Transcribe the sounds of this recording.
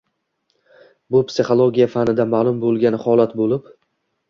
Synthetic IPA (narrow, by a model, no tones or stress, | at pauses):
bʊpsɪχolˠoɡʲijafanɪd̪amaːlˠʊmbolˠɡʲanɪhɒlˠat̪bolɪp